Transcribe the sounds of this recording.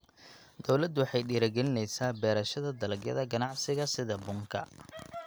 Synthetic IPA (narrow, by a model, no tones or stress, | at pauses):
d̪̥ɔwlɐd̪wɑħɑjɖiːɾɐɡɛlɪnɛjsaːbɛːɾɐʃɐðɐd̪ɐlɐɡjɐ̰ðɐɡɐnɑʕsɪɣɐsɪðɐbʊŋkʰɐ̰